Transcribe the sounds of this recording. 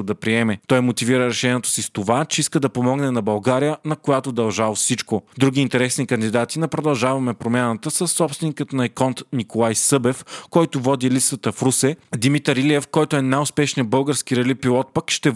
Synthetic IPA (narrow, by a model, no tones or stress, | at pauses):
d̪ɐpɾiɛmɛt̪ɔjmot̪iviɾəɾɛʃɛniɛt̪o̥sist̪ovat͡ʃɛiskəd̪ɐpomɔɡnɛnɐbɐlˠɡaɾijənɐkojat̪od̪ɐlˠʒalˠosit͡ʃkod̪ɾuɡ̟iːnt̪ɛɾɛsnikɐnd̪id̪at̪inɐpɾod̪ɐlˠʒavɐmɛpɾomʲjanət̪əsəsːɔpst̪vɛnikət̪nɐɛkɔnt̪nikolˠajsɤbɛfkɔjt̪ovɔd̪ilit̪st̪ət̪əfɾusɛd̪imit̪əɾiliɛfkɔjt̪oɛnajʊspɛʃnijəbɤlˠɡəɾsk̟iɾɛlipilˠɔt̪̚pəkʃt̪ɛ